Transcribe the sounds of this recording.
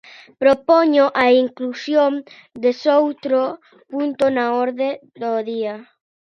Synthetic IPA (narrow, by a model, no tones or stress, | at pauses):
pɾopɔɲʊʔaiŋklusjoŋ | d̪esowt̪ɾo | punt̪ʊnaɔɾðed̪oðiɐ